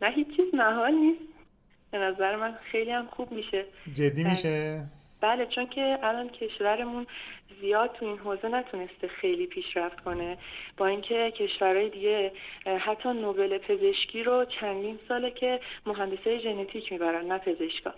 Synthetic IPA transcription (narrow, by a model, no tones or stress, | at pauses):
næɦiːt͡ʃːt͡ʃʰːiːznæɦɒːlniːst̪ | b̥e̞næzæɾemænxe̞jliːhæmxub̚miʃe̞d͡ʒed̪ːiːmiʃe | b̥æle̞t͡ʃʰo̞ncʰe̞ʔælɒːncʰe̞ʃvæɾe̞munzijɒːd̪̚t̪ʰuinɦoːze̞næt̪ʰune̞st̪exe̞jliːpʰiːʃɾæft̪kʰo̞ne̞b̥ɒːiŋcʰe̞cʰe̞ʃvæɾɒːjed̪iɟe̞hæt̪ʰːɒːnobe̞le̞pʰe̞ze̞ʃcʰiːɾot͡ʃʰænd̪iːnsɒːle̞cʰe̞moɦænd̪e̞sɒːjeʒe̞net̪ʰiːcʰmiːbæɾænnæpʰe̞ze̞ʃkʰɒ̰ː